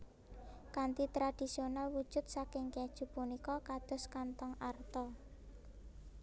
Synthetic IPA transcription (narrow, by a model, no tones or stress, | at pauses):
kant̪it̪ɾad̪̥i̤sionalwud̥ʒ̥ʊ̤t̪̚sakɪŋked̥ʒ̥ṳpunikɔkad̪̥ɔ̤skant̪ɔŋart̪ɔ